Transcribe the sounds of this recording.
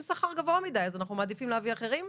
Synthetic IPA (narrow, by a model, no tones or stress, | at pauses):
saχaʁɡavoamid̪ajazanaχnumaːd̪ifimleaviaχeʁim